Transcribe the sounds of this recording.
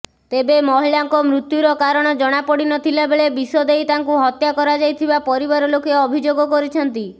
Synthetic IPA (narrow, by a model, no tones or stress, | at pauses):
t̪ebemɔɦilaŋkɔmɾut̪juɾɔkaɾɔɽ̃ɔd͡ʒɔɽ̃apɔɽinɔt̪ʰilabeɭebisɔd̪ejt̪aŋkuɦɔt̪jakɔɾad͡ʒajt̪ʰibapɔɾibaɾɔlokeɔbʱid͡ʒoɡɔkɔɾit͡ʃʰɔnt̪i